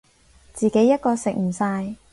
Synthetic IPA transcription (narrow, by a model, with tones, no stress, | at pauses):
t͡siː˨ke˨˥jːɐ˥t̚kɔː˧sɪ˨k̚m̩˨˩saː˧j